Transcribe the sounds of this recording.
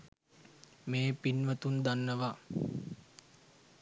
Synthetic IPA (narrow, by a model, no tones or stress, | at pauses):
meːpinʋət̪und̪anːəʋa